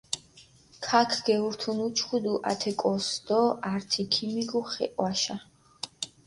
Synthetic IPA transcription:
kʰakʰɡ̥ɛuɾt̪ʰunut͡ʃʰχud̪uʔa̰t̪ʰɛkʼɔsd̪ɔaɾt̪ʰikʰimiɡuχɛ̰ʔʼwaʃa

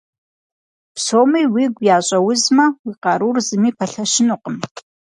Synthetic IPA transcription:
psoːmiːwiːɡʷjaːɕʼɐwʊzmɐwiːqɑɾurzɨmiːpʰɐɬɐʃɪnuqəm

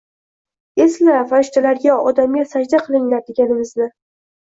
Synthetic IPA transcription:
e̞slafaɾɪʃt̪ʰalaɾɡʲaɒd̪amʲasad͡ʒd̪aqʰɨlˠɪŋlaɾd̪eɡʲanɪmɪznɪ

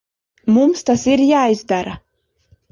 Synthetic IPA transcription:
mumst̪asiɾjaːizd̪aɾa

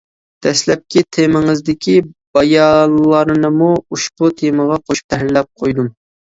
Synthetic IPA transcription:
d̪̥ʰɛslɛp̚kʲit̪ʰemɪŋɪzd̪ɪkʲʰib̥ɑjɑllˠɑɾɨnɨmuuʃput̪ʰeməʁɑqʰoʃpʰɛɦɾlɛp̚qʰojd̪um

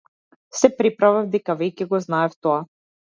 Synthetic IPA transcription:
sɛpɾipɾavavd̪ɛkavɛjcɛɡɔznaɛft̪ɔa

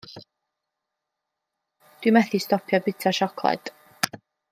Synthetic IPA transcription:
d̥wimɛθistɔpʰjɔbɪtʰaʃɔkʰlˠɛ̰d̥

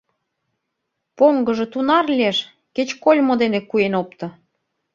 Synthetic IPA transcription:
poŋɡəʒĕt̪unɑrlʲieʃ | ket͡ɕkolʲmod̪enekuenop̚t̪ɤ̆

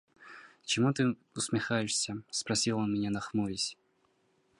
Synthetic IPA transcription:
t͡ɕɪmut̪ɨ | ʊsmʲɪxajɪʂsʲəspɾɐsʲilˠonmʲɪnʲanɐxmuvʲɪsʲ

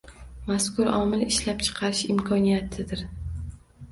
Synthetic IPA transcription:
maskʊɾɒmɪlɪʃlap̚t͡ʃʰɨ̥qʰɑɾɪʃɪmkʰɒnijat̪ʰɪd̪ɪɾ

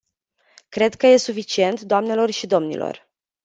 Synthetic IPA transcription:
kɾe̞d̪kəje̞sufit͡ʃie̞nt̪d̪oamne̞lo̞rʃid̪o̞mnḭlo̰r

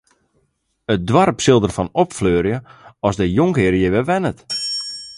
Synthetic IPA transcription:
ət̚dwarpsɪlˠdərfɔnɔpfløːɾjəɔsdəjoŋkɪːɾjəʋɛʋɛnət

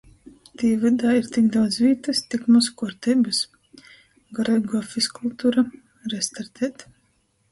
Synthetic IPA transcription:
d̪̥iːvɨd̪aːiɾt̪ikd̪awd̪zvʲiːt̪ɨst̪ikmɔskuɾt̪ɛbɨs | ɡɔɾɛɡɔfiskulˠt̪uːɾa | ɾɛst̪aɾt̪ʰɛːt̪

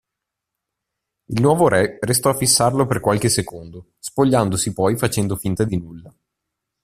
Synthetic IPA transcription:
ilnwɔːvoɾɛrest̪ɔafisːarloperkwalk̟esekond̪o | spoʎːand̪osipɔjfat͡ʃɛnd̪ofint̪ad̪inulːa

